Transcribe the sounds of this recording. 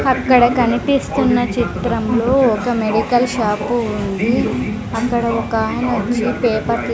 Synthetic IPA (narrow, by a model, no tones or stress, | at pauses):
ɐkːɐɽɐkɐnipist̪unːɐt͡ʃit̪ɾɐmlo̞ːɔkɐmeɽikɐlʃaːpuund̪i | ɐkːɐɽɐɔkaːɦɐnɐt͡ʃːipɛːpɐt̪